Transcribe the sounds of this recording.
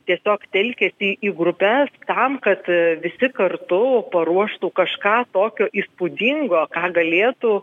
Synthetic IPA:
t̪ʲiɛsʲoːkt̪ʲɛlʲkʲɛːsʲiːʔiːɡɾʊpʲɛst̪ɐmkɐt̪ʋʲɪsʲɪkɐrt̪ʊpɐɾuɔʃt̪uːkɐʃkɑːt̪oːkʲoːʔiːspʊd̪ʲiŋɡoːkɑːɡɐlʲeːt̪uː

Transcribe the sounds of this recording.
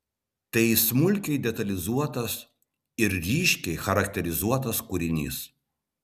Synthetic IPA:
t̪ɐɪsmʊlʲkʲɛɪd̪ʲɛt̪ɐlʲɪzuɔt̪ɐs | ɪɾɾʲiːʃʲkʲɛɪxɐɾɐkt̪ʲɛɾʲɪzuɔt̪ɐskʊɾʲɪnʲḭːs

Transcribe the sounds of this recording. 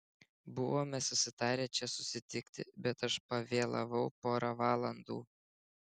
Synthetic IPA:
bʊʋoːmʲɛsʊsʲɪt̪ɑːɾʲeːt͡ʃʲɛsʊsʲɪt̪ʲɪkʲt̪ʲɪ̰bʲɛt̪ɐʃpɐʋʲeːlˠɐ̰ʋɐʊpoːɾɑːʋɑːlˠɐnd̪ṵː

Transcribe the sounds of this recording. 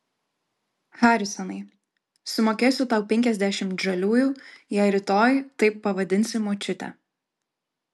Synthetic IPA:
xɑːɾʲɪsɔnɐɪ | sʊmoːkʲeːsʲʊt̪ɐˑʊpʲɛŋʲkʲɛzʲd̪ʲæʃʲɪmʒɐlʲuːjuːjɛɪɾʲɪt̪oːjt̪ɐɪpːɐʋɐd̪ʲɪnʲsʲɪmot͡ʃʲʊt̪ʲɛ̰

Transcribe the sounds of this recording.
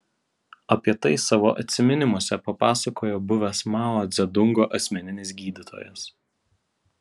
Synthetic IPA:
ɐpʲiɛt̪ɐɪsɑːʋoːʔɐ̰t̪ʲsʲɪmʲɪnʲɪmuɔsʲɛpɐpɑːsɐkoːjoːbʊʋʲɛsmɑːlˠoːd̪zʲɛd̪ʊŋɡoːʔɐsʲmʲɛnʲɪnʲɪs̬ɡʲiːd̪ʲɪt̪ʰo̰ːjɛs

